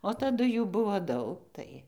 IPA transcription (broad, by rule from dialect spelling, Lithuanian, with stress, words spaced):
oː tɐˈdʊ ˈjuː ˈbʊʋoː ˈdɐʊk ˈtɐɪ